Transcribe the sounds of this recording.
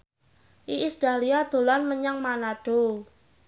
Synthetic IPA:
ʔiʔisd̪̥aliad̪̥o̤lanməɲaŋmanaɖ̥o

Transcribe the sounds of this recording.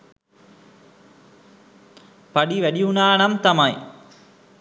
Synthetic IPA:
paɖiʋæɖiunaːnamt̪amaj

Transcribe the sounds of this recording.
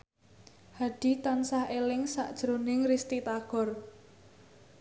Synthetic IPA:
haɖ̥i̤t̪ansahelɪŋsa̰ʔd̥ʒ̥ɾonɪŋrist̪it̪aɡ̥ɔ̤r

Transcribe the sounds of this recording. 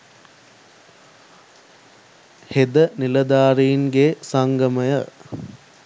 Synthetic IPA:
hed̪ɐnilɐd̪aːɾijnɡesaŋɡɐmɐjɐ

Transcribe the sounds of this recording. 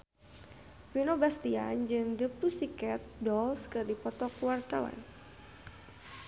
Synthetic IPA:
finobast̪ia̰nd͡ʒɨŋdəpusikɛt̪̚dɔlskɨrdipɔt̪ɔkuwart̪awa̰n

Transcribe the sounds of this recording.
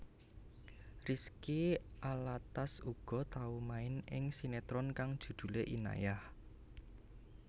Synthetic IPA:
riskiʔalat̪asuɡ̥ɔ̤t̪aumaɪnɪŋsinet̪ɾɔnkaŋd̥ʒ̥ṳd̪̥ṳleʔina̰jah

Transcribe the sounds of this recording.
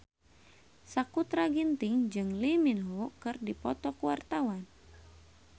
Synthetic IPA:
sakut̪ɾaɡint̪ɪŋd͡ʒɨŋliminɦukɨrdipɔt̪ɔkuwart̪awan

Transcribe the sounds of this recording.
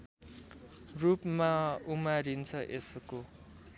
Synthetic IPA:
rupmaumaɾint͡sʰʌʔesko

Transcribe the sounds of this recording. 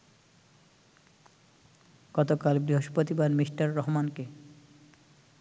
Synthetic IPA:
ɡ̥ɔt̪okalbɾiɦoʃpɾot̪ibanmiʃʈaɾːɔɦmanke

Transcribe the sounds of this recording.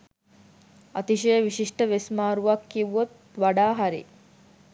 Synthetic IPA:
at̪iʃəjəʋiʃiʂʈəʋesmaːɾuʋakːiʋuot̪ | ʋaɖaːɦaɾḭ

